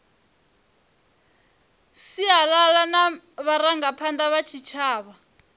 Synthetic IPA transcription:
siɦalalana | βaɾaŋɡapʰandaβat͡ʃʰit͡ʃʰaːβa

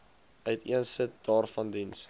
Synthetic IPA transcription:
œɥtʰiənsət̚d̥ɑːrfɐndins

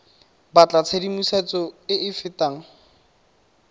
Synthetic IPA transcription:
bat͡ɬʼat͡sʰedimuset͡sɔɪɪfɪtaːŋ̩

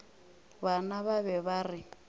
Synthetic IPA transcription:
βanaβaβɛβarɪ

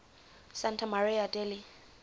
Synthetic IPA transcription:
santʰamaɾiadɛli

